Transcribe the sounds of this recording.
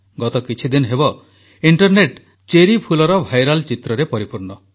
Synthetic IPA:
ɡɔt̪ɔkit͡ʃʰid̪inɔɦebɔ | iɳʈɔɾneʈ | t͡ʃeɾipʰulɔɾɔbʱajɾalt͡ʃit̪ɾɔɾepɔɾipuɾnɔ

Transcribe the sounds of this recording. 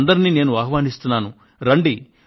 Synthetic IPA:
nd̪ɐɾiniːne̞ːnuaːɦɐʋaːnist̪unːaːnu | ɾɐɳɖi

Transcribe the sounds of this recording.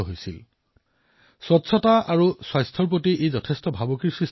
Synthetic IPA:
ɔɦojsḭl | swɔtsʰɔtaaɹuswajstʰɔɹp̬otiʔejzɔtʰestɔbʱabɔkiɹsɹis

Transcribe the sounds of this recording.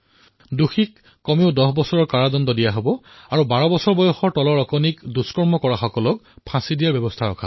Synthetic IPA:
duxikː | ɔmiʊdɔxbɔsɔɹɔɹkaɹadɔndɔdijaɦobɔ | aɹubaɹɔbɔsɔɹbɔjɔxɔɹtɔlɔɹɔkɔnikduskɔɹmɔkɔɹaxɔkɔlɔk̚pʰãsidijaɹbjɔbɔstʰaɹɔ̰kʰa̰

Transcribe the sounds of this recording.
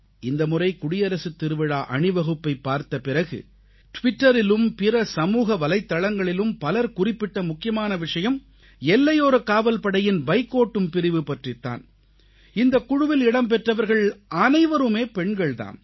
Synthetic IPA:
ɪnd̪ɐmʊrɐɪkʊɽɪjɐɾɐsɯt̪ːɪɾɯʋɪɻaːʔɐɳɪʋɐɣɯpːɐɪpːaːɾt̪ɐpɪrɐɣɯ̰ | ʈʋɪʈːɐɾɪlɯmpɪrɐsɐmuːɣɐʋɐlɐɪt̪ːɐɭɐŋɡɐɭɪlɯmpɐlɐɾkʊrɪpːɪʈːɐmʊkːɪjɐmaːnɐʋɪʂɐjɐm | ɛlːɐjoːɾɐkaːʋɐlpɐɽɐjɪnbɐɪkːoːʈːɯmpɪɾɪʋɯpɐʈrɪt̪ːa̰ːn | ɪnd̪ɐkʊɽʊʋɪlɪɽɐmp̬ɛʈrɐʋɐɾɣɐɭʔɐnɐɪʋɐɾɯmeːpɛɳɡɐɭt̪a̰ːn

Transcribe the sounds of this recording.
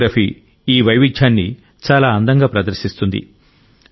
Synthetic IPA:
ɾɐfʰi | iːʋɐjʋidʰʱaːnːi | t͡ʃaːlaːɐnd̪ɐŋɡaːpɾɐd̪ɐɾsist̪und̪ḭ

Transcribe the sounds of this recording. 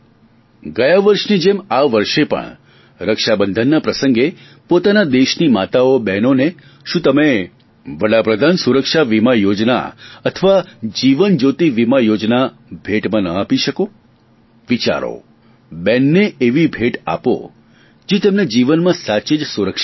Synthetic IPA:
ɡəjaʋəɾʃnid͡ʒemaʋəɾʃepə̰ɳ | ɾəkʃabənd̪ʱənːapɾəsəŋɡe | pot̪anad̪eʃnimat̪aobɛnone | ʃũt̪əme | ʋəɽapɾəd̪ʱansuɾəkʃaʋimajod͡ʒna̰ət̪ʰəʋad͡ʒiʋənd͡ʒot̪iʋimajod͡ʒna | bʱeʈmãnəapiʃəko | ʋit͡ʃa̰ɾo̰ | bɛnːeeʋibʱeʈa̰po̰ | d͡ʒet̪emned͡ʒiʋənmãsat͡ʃed͡ʒsuɾəkʃa

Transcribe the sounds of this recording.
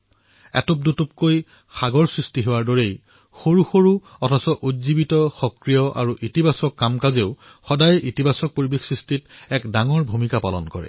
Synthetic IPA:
ɛ̰top̚dutup̚koj | xaɡɔɹsɹistiɦewaɹdɔɹej | xoɹuxoɹuɔtʰasɔʔotzibitɔxɔkɹijɔʔa̰ɹuʔitibasɔkːamkazeʊ | xɔdajitibasɔk̚poɹibexsɹistitɛkdaŋɔɹbʱumikapalɔ̰nkɔ̰ɹɛ̰

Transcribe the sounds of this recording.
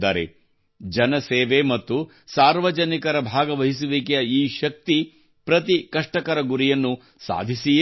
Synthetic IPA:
aːɾḛ | d͡ʒɐnɐseːʋemɐt̪ːu | saːɾʋɐd͡ʒɐnikɐɾɐbʱaːɡɐʋɐɦis̬uʋeːkɛjɐiːʃɐk̚t̪i | pɾɐt̪ikɐʂʈɐkɐɾɐɡuɾijɐnːu | sa̰ːd̪ʱisi

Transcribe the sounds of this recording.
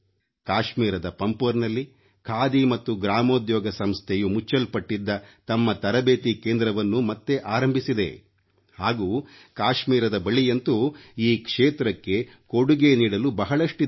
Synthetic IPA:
kaːʃmiːɾɐd̪ɐpɐmpɐɾnɐlːi | kʰaːd̪imɐt̪ːuɡɾaːmoːd̪jɔːɡɐsɐmst̪ʰejumut͡ʃːɐlpɐʈːid̪ːɐt̪ɐmːɐt̪ɐɾɐbeːt̪ikeːnd̪ɾɐʋɐnːumɐt̪ːe̞ʔaːɾɐmbʱisid̪ḛ | haːɡuː | kaːʃmiːɾɐd̪ɐbɐɭijɐnt̪uiːkʂeːt̪ɾɐkːe̞ | koɽuɡe̞niːɽɐlubɐɦɐɭɐʂʈi

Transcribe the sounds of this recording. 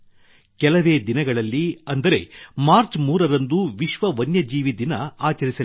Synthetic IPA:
kɛlɐʋe̞ːd̪inɐɡɐɭɐlːiɐnd̪ɐɾe̞̰maːɾt͡ʃmuːɾɐɾɐnd̪uʋiʃʋɐʋɐnjɐd͡ʒiːʋid̪inɐaːt͡ʃɐɾisɐ

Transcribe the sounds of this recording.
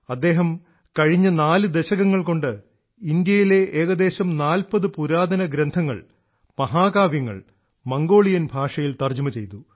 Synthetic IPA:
ɐd̪ːe̞ːɦɐm | kɐɻiɲːɐnaːlɨd̪e̞ɕɐɣɐŋːɐɭko̞ɳɖɨ | ind̪jɐjile̞ʔeːɣɐd̪eːɕɐmnaːlpɐðɨpuɾaːd̪ʱɐnɐɡɾɐnd̪ʱɐŋːɐ̰ɭ | mɐɦaːkaːʋjɐŋːɐ̰ɭ | mɐŋɡo̞ːɭijɐnbʱaːʂɐjilt̪ɐrd͡ʑɐmɐt͡ɕe̞jt̪u

